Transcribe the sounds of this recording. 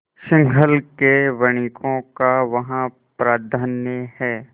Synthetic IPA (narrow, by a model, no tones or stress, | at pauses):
ʃɪ̃ŋɡʱəlkeʋɐɽ̃ikʰõkaʋɐɦã | pɾaːd̪ʱaːnjəhɛː